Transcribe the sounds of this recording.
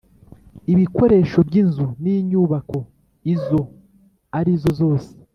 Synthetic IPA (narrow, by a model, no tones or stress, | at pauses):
iβiko̞ɾe̞ʃo̞bɟinzuniɲuːβako̞ | izo̞ | aɾizo̞zo̞ːse̥